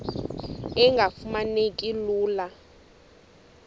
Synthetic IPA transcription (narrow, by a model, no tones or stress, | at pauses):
ɛŋɡʱafumanekʼiluːla